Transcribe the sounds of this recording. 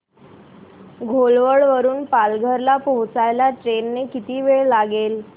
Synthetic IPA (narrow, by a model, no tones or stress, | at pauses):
ɡʱolʋəɭʋəɾuːnpalɡʱəɾlapoɦt͡sajlaʈɾenːekit̪iːʋeɭlaɡel